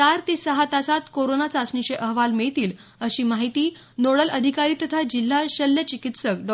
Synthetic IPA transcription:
aɾt̪iːsəɦat̪asat̪koɾonat͡saəsɳit͡ɕeʔəɦʋalmiɭit̪iːl | əɕiːmaɦit̪iː | noɽəlʔəd̪ʱikaɾiːt̪ət̪ʰad͡ʑil̤ːaɕəljət͡ɕikit̪səkɖɔ

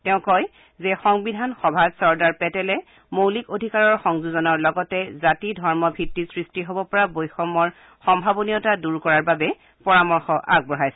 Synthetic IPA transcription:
tɛʊ̃kɔj | zɛxɔŋbidʱanxɔbʱadsɔɹdaɹpɛtɛlɛ | mowlikodʱikaɹɔɹxɔŋzuzɔnɔɹlɔɡɔtɛzatidʱɔɹmɔbʱitːisɹistiɦobɔpɔɹabojxɔmɔɹ | xɔmbʱabonijɔtaduɹkɔɹaɹbabɛ | pɔɹamɔɹxɔʔa̰ɡ̚bɔɹajsɛ

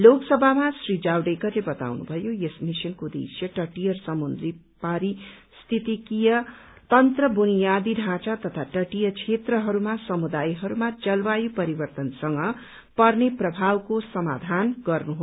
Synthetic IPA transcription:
loksʌbʱamasrid͡zawɖekʌrlebʌt̪a̰wnṵbʱʌjojesmisʌnkod̪ḛsjʌʈʌʈijʌrsʌmund̪ri | paɾi | st̪ʰit̪ikijʌ | t̪ʌnt̪rʌbunijad̪iɖʱãt͡sat̪ʌt̪ʰaʈʌʈijʌt͡ʃʰet̪rʌɦʌɾumasʌmud̪ajɦʌɾumat͡sʌlwajupʌɾibʌrt̪ʌnsʌŋɡʌ | pʌrneprʌbʱawkosʌma̰d̪ʱanɡʌrnuɦo

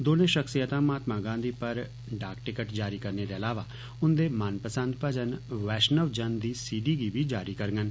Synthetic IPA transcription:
d̪oːnẽːʃəksijət̪ãːmaːt̪mãːɡãːd̪iːpəɾ | ɖaːkʈɪkəʈd͡ʒaːɾiːkəɾneːd̪eːəlaːʋaː | ʊnd̪eːmənpəsə̃nd̪̚pəd͡ʒənʋɛːʃnəʋd͡ʒənd̪iːsiːɖiːɡiːʋiːd͡ʒaːɾiːkəɾɡən

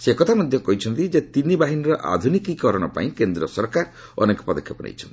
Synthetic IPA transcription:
sekɔt̪ʰamɔd̪ʱjɔkɔɦit͡ʃʰɔnt̪id͡ʒet̪inibaɦiniɾɔʔa̰d̪ʱunikikɔɾɔɽ̃ɔpa̰ĩkend̪ɾiɔsɔɾkaɾ | ɔ̰nekɔ̥pɔd̪ɔkʰːjɔpɔnḛjt͡ʃʰɔnt̪i

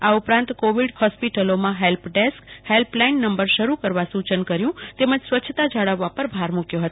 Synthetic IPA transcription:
aupɾãnt̪koʋiɖhɔspiʈəlomãɦelpɖeskhelplainːəmbəɾʃəɾukəɾʋasut͡ʃənkəɾjũt̪eməd͡ʒsʋətːʃʰət̪ad͡ʒaɭəʋːapəɾbʱaɾmũkjoɦət̪

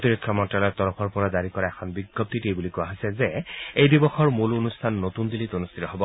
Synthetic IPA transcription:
tiɹikʰːɔmɔtɹalɔjt̪ɔɹɔpʰɔɹpɔɹazaɹikɔɹaɛkʰɔnbiɡɔp̚t̪itejbulikʊaɦɔsɛzɛejdibɔxɔɹmulonustʰanːotund̪ilitonustʰitɔɦɔbɔ

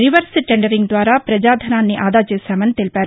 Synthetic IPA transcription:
ɾɪʋəɾsʈɛ̃ɳɖəɾɪ̃ŋɡd̪waːɾaːpɾəd͡ʒaːd̪ʱənãːneːʔaːd̪aːt͡ʃəsɛːmənt̪elpɛː

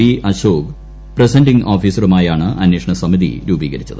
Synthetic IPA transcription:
iʔɐɕoːɡ | presɐndiŋɡʔoːfiːsɐrumaːjaːɳɨʔɐnweːʂɐɳɐsɐmiðḭɾuːbiːɣɐɾit͡ɕːɐðɨ

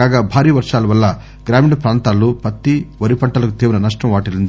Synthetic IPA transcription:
aːɡaːbʱaːɾiːʋɐɾʂaːlɐʋɐlːɐ | ɡɾaːmiɳɖɐpɾaːnt̪aːlːupɐt̪ːiʋɐɾipɐɳʈɐlɐkut̪iːʋɐnɐnɐʂʈɐmʋaːʈilund̪i

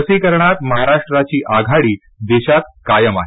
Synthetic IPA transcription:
əsiːkəɾɳat̪̚məɦaɾaʂʈɾat͡ɕiːʔaɡʱaɽiː | d̪eɕat̪̚kajəmaɦe

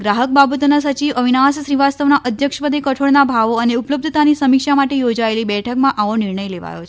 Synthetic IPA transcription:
ɡɾaɦək̚babət̪onasət͡ʃiʋəʋinasʃɾiʋast̪əʋnaʔəd̪ʱjəkʂpəd̪ʱekəʈʰoɽnabʱaʋoəneupləb̚d̪ʱət̪anisəmikʃamaʈejod͡ʒaelibɛʈʰəkmãʔaʋonɪɾɳəjleʋa̰jo̰t͡ʃʰ

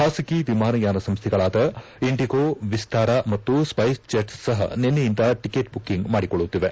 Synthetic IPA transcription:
haːsikiʋimaːnɐjaːnɐsɐmst̪ʰɛɡɐɭaːd̪ɐ | iɳʈiɡoʋist̪aːɾɐmɐt̪ːuspɐjst͡ʃeʈsːɐɦɐ̰nenːejind̪ɐʈikeːʈ̚bukːiŋɡmaːɽikɔɭːut̪ːiʋe

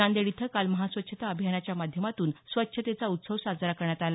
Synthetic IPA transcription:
and̪eɽit̪ʰəkalməɦasʋət̪ːɕʰət̪aəbʱjanat͡ɕjamad̪ʱjəmat̪uːnsʋət̪ːɕʰət̪et͡saut̪səʋsad͡zaɾakəɾɳjat̪ala

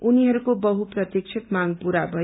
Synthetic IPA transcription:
uniɦʌɾukobʌɦuprʌt̪jik̚t͡ʃʰʌk̪maŋpuɾabʱʌ

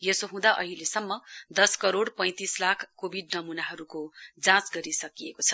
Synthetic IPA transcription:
jesoɦũd̪aʔʌ̰ɦilesʌmːʌd̪ʌskʌɾoɽpʌ̃j̃t̪islakʰkobʱiɖnʌmunaɦʌɾukod͡zãt͡sɡʌɾisʌkijekot͡sʰʌ̥

